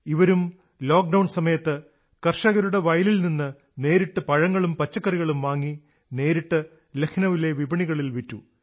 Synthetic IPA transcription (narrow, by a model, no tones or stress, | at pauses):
iʋɐɾum | lo̞ːk̚ɖɐwɳsɐmɐjɐt̪ːɨ | kɐrʂɐɣɐɾuɽe̞ʋɐjlilninːɨ | ne̞ːɾiʈːɨpɐɻɐŋːɐɭumpɐt͡ɕːɐkːɐriɣɐɭumʋaːŋːi | ne̞ːɾiʈːɨ | lekʰnɐʋile̞ʋibɐɳiɣɐɭilʋitːu